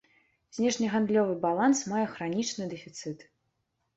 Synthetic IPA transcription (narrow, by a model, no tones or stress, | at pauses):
z̥ʲnʲɛʂnʲiɣand̪lʲɔvɨbalˠansmajɛxɾanʲit͡ʂnɨd̪ɛfʲit̪sɨt̪